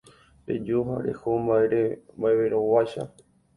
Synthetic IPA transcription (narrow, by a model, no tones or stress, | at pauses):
ɾḛd͡ʒuɦa̰ɾḛhombaeɾembaeβeɾowaʃa̰